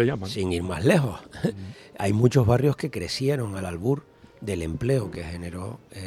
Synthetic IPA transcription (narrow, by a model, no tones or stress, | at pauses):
ejamasiŋiɾmaɦle̞xo̞h | ajmut͡ʃo̞ɦβarjohke̞kɾe̞sje̞ɾo̞ŋalalβuɾ | d̪e̞le̞mple̞oke̞he̞ne̞ɾo̞